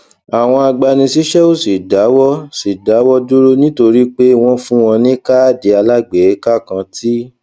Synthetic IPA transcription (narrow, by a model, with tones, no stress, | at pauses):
a˨w̃ɔ̃˧a˧ɡ͡ba˧nĩ˧si˦ʃɛ˦o˦si˨da˨˦wɔ˦si˨da˨˦wɔ˦du˦ɾo˦nĩ˦to˧ɾi˦k͡pe˦w̃ɔ̃˦fũ˦w̃ɔ̃˧nĩ˦ka˦˨di˨˧a˧la˦ɡ͡be˨˦ka˦kã˧ti˦